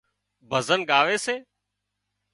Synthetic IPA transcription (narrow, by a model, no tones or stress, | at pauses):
bʱəzənɠaːʋeːseː